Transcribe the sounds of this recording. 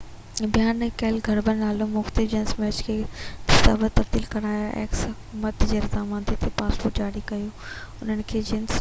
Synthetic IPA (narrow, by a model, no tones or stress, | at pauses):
bijaːnɛ̃kɐɪlɡʱɐɾbənnaːlũmʊxt̪ɪd͡ʑɪnsmɛːt͡ɕkʰeːt̪ɪsa̰ːbət̪ɐbd̪iːlkɐɾaːjaʔḛːksɦɐkumət̪d͡ʑeːɾzaːmãːnd̪it̪ʰepaːspoːʈd͡ʑaːɽikɐjoː | ʊnənɪ̆kʰeːd͡ʑɪns